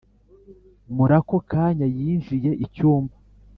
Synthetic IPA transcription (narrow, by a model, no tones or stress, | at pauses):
muɾako̞kaːɲajiːnʒije̞ʔicuːmba